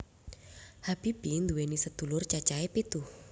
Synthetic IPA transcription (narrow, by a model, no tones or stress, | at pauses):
hab̥i̤b̥ind̪uwenisəd̪̥ṳlʊrt͡ʃat͡ʃaepit̪uh